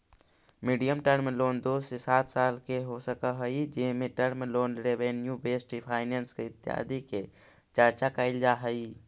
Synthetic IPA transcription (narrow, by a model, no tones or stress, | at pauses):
miːɖijəmʈəɾmloːnd̪oːsesaːt̪ʰsaːlkeɦosəkəɦəid͡ʒɪɦmẽʈəɾmloːnɾeʋenjubeːsʈipʰaːɪneːnskeɪt̪ːɪja̰ːd̪iket͡ʃəɾt͡ʃakəɪld͡ʒaːɦəi